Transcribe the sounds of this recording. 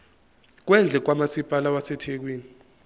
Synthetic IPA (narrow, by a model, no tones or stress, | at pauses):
k̬wɛnd͡ɮʱɛk̬wamasipʼalawasɛtʰek̬wiːni